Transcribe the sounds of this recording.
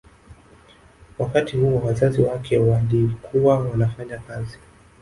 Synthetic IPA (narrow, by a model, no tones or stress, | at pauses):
wakatihuɔwazaziwakʰɛwalikʰuwawanafaɲakazi